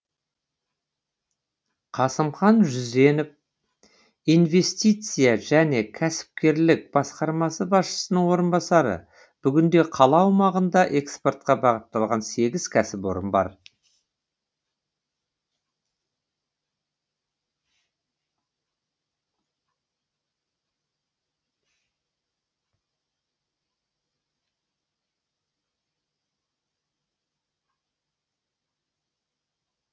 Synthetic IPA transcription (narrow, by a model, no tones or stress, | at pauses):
qʰɑsəmχɑnʒʏzd̪e̞nɪp̚ | ijnve̞st̪ijt̪sɨjɑʒæne̞kʲʰæsɪ̥p̚kʲe̞ɾlɪk̚b̥ɑsqɑɾmɑsəbɑsʃə̥sənəɴwo̞ɾənbɑsɑɾə̰ | b̥ʏɡʲɪnd̪e̞qʰɑlˠɑwmɑʁənd̪ɑʔe̞kspo̞rt̪̚qɑbɑʁət̪ːɑlˠʁɑnse̞ɡʲɪz̥kʲʰæsɪpwo̞̰ɾə̰nbɑ̰ɾ